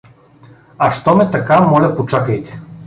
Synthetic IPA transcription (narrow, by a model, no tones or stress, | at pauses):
aʃt̪ɔmɛt̪ɐkamɔlʲɐpot͡ʃakəjt̪ɛ̥